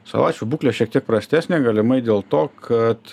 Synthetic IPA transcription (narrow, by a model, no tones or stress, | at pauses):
sɐ̰ʋˠɑ̰ːt͡ʃʲubuːklʲeːʃʲiɛkt̪ʲiɛk̚pɾɐsʲt̪ʲæːsʲnʲeːɡɐlʲɪmɐɪd̪ʲeːlˠt̪oːkʰɐt̪